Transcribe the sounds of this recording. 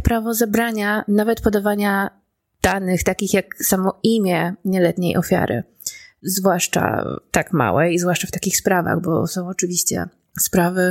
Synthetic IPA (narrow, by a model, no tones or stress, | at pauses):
pɾavɔzɛbɾaɲanavɛt̪pɔd̪avaɲa | d̪̥anɘxt̪akʲixjaksamɔimʲjɛɲɛlɛt̪ɲejʔɔfʲja̰ɾɘ̰ | zvwaʂt͡ʂa̰t̪akma̰wɛ̰izvwaʂt͡ʂaft̪akʲixspɾava̰ɣbɔ̰sɔ̃w̃ɔt͡ʂɘvʲiɕt͡ɕɛ̰ | spɾavɘ